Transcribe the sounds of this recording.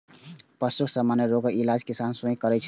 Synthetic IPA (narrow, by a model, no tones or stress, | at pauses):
pəst̪uksəmaneɾoɡəilad͡ʒkisansũĩkəɾɛt͡ʃʰ